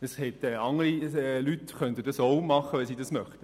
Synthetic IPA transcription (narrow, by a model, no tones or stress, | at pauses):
əshɛtɛɑŋːəɾiɛlytχœnt̪ədɑsoʊmɑχəʋɛnsiːdɑsmœχtə